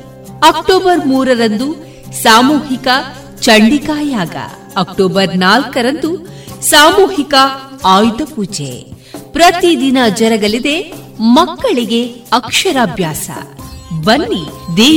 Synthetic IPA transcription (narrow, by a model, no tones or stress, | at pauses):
ɐkʈoːbɐɾmuːɾɐɾɐnd̪u | saːmuːɦikɐ | t͡ʃɐɳɖikaːjaːɡɐ̰ | ɐk̚ʈoːbɐɾnaːlkɐɾɐnd̪u | saːmuːhikɐaːjd̪ɐpuːd͡ʒḛ | pɾɐt̪id̪inɐd͡ʒɐɾɐɡɐlid̪e̞ | mɐkːɐɭiɡe̞ɐkʂɐɾaːbʱjaːsɐ̰bɐnːid̪eː